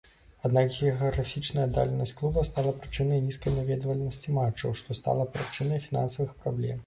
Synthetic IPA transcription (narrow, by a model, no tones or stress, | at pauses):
ad̪nakɣʲɛɣɐɣɾafʲit͡ʂnɐjɐd̪a̰lʲɛnɐsʲt͡sʲklˠubɐst̪alˠɐpɾɨt͡ʂɨnɐjnʲiskɐjnavʲɛd̪vɐlʲɛnɐsʲt͡sʲimat͡ʂːɐwʂt̪ɔst̪a̰lˠɐpɾɨt͡ʂɨnɐjfʲina̰nsɐvɨxpɾablʲɛ̰m